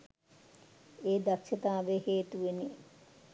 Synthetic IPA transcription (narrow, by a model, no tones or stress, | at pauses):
eːd̪akʃet̪aːʋeheːt̪uʋeni